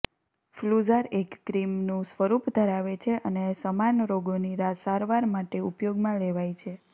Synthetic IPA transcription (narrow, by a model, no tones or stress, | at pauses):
fluzəɾekːɾimnũsʋəɾupd̪ʱəɾaʋet͡ʃʰeʔənesəmanɾoɡoniɾasaɾʋaɾmaʈeupjoɡmãleʋajt͡ʃʰe